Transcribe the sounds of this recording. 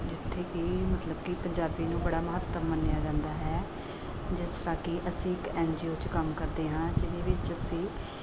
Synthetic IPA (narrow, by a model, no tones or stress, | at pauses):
d͡ʒɪt̪ʰːeːkɪːmət̪ləbkɪpəɲd͡ʒaːbiːnũːbəɽaːməɦət̪ːəmːənːejaːd͡ʒãːnd̪aːɦɛː | d͡ʒɪst̪ɾaːkɪʔəsĩːkɛːnd͡ʒiːoːt͡ʃkəmkəɾd̪eːɦãːd͡ʒɪðeːʋɪt͡ʃəsĩː